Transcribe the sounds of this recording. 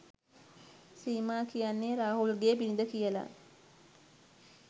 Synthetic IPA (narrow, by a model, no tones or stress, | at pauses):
siːmaːkijanːeɾaːɦulɡeːbinid̪əkijəla̰